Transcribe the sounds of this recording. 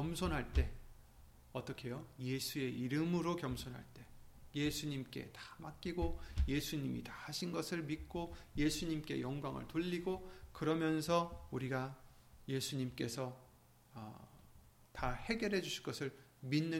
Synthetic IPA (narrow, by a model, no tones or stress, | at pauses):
ʌmsʰonɦaɭt͈e̞ | ʌt͈ʌkʰe̞joje̞sʰue̞iɾɯmɯɾokjʌmsʰonɦa̰ɭt͈e̞jesʰuɲimk͈e̞̰tḁmak͈iɡoje̞sʰuɲimḭtahaɕʰinɡʌsʰɯɭmik̚k͈oje̞sʰuɲimk͈e̞̰jʌŋɡwaŋɯ̰ɭtoʎːiɡokɯɾʌmjʌns̬ʰʌuɾiɡa | je̞sʰuɲimk͈e̞sʰʌ | tahe̞ɡjʌɾɦe̞d͡ʑuɕʰiɭk͈ʌsʰɯɭminːɯ